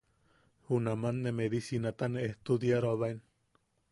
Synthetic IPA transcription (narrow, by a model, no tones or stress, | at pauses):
hunamanːemeɾisinat̪aneːht̪ud̪jaɾoaβaen